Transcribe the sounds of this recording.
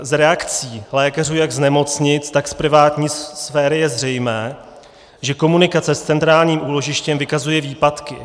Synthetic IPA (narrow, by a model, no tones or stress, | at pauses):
zɾɛakt͡siːlɛːkar̝uːjaɡznɛmo̞t͡sɲɪt͡st̪akspɾɪvaːt̪ɲiːssfɛːɾɪjɛzr̝ɛjmɛː | ʒɛko̞munɪkat͡sɛst͡sɛnt̪ɾaːlɲiːmʔuːlo̞ʒɪʃcɛmvɪkazujɛviːpat̪kɪ̰